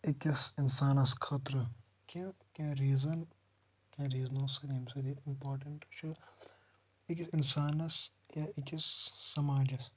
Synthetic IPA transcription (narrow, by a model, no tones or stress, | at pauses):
ikisɪnsaːnɐskʰɐt̪ɾ | kẽ | kãɾiːzɐn | kʲãːɾiːznõsɐd̪imsɐd̪iɪmpoːɾʈɐɳʈt͡ʃʰu | ɪkɪnsaːnɐs | jaɪkisːɐmaːd͡ʒɐs